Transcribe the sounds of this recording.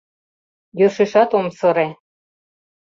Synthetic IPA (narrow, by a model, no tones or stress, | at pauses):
jɤʃeʃɑt̪omsɤ̆ɾe